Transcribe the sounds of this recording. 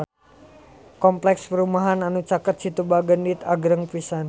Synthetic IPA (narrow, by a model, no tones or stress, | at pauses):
kɔmplɛkspəɾumaɦananut͡ʃakət̪̚t͡ʃit̪ubaɡəndit̪aɡɾəŋpisan